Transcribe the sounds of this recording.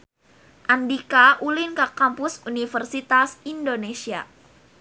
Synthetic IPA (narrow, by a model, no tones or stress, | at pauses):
ʔandikaʔulinkakampʊsunifərsit̪asindonesia̰